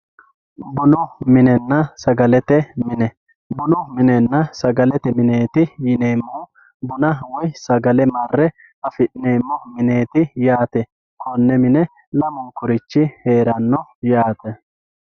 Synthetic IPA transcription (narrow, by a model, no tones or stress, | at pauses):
bʊnʊmɪnɛnːɐsɐɡɐlɛt̪ɛmɪnɛ | bʊnʊmɪnɛnːɐsɐɡɐlɛt̪ɛmɪneːt̪ɪjɪneːmːɔ | bʊnɐwɔjsɐɡɐlɛmɐrːɛ | ɐfɪɗne̞ːmːɔmɪne̞ːt̪ɪjaːt̪ɛ | kʰɔnːɛmɪnɛ | lɐmʊŋkʊɾɪt͡ʃːɪheːɾɐnːɔjaːt̪ɛ